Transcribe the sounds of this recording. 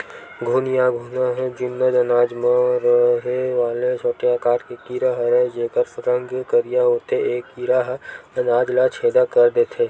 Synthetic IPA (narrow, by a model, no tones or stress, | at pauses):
ɡʱuːnijaɡʱuːnaɦɛ̃d͡ʒʊnːəd̪ɐnaːd͡ʒmãɾɦeʋaːlet͡ʃʰoːʈeaːkaːɾkekiːɾaɦəɾed͡ʒeːkəɾpɐɾə̃ŋɡkəɾijaɦoːt̪eeːkːiːɾaɦɐnaːd͡ʒlat͡ʃʰeːd̪akɐɾd̪eːt̪ʰeː